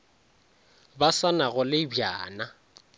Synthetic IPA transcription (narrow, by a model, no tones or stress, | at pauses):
basanaɣʊlɪbjaːna